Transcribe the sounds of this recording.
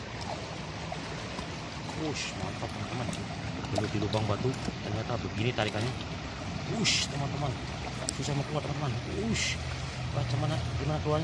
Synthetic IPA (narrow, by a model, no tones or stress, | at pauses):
kɾʊsma̰nt̪ak̚t̪əmant̪əman | bəlut̪idubaŋbat̪ut̪ərɲat̪abəɡinit̪aɾikanɲa | ust̪əmant̪əmən | susahməkluaʔt̪əmant̪əmanus | bat͡ʃamanadimanakəluaɲ